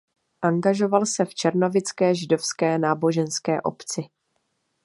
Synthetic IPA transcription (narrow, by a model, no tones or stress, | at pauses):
ʔaŋɡaʒo̞valsɛft͡ʃɛɾno̞vɪt͡skɛːʒɪdo̞fskɛːnaːbo̞ʒɛnskɛːʔo̞̰pt͡sɪ